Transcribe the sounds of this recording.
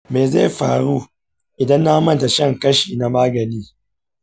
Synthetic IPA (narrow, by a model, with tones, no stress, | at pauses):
meː˨za˦˨ɸaː˨ɽuː˦ | ʔɪ˨dɐ˦nːa˦ha˦mɐ˦nta˨ʃɐ˦˨ŋkɐ˦ʃiː˨na˦maː˦ɡɐ˨niː˦